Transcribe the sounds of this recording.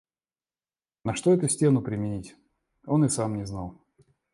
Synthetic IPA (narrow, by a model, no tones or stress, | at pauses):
nɐʂt̪oɛt̪ʊsʲtʲe̞nʊpɾʲɪmʲɪnʲitʲ | o̞nɨsamnʲɪznalˠ